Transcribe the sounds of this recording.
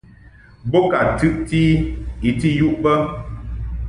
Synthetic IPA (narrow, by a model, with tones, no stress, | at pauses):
bo˦ka˨tʉ˦ʔti˦i˨ti˦ju˦ʔbə˦